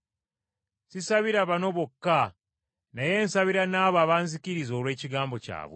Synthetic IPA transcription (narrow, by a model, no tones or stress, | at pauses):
sisaβiɾaβano̞βokːa | naje̞ːnsaβiɾanaːβaːβaːnzikiɾizo̞ːlwe̞ːciɡaːmbo̞ca̰ːβwe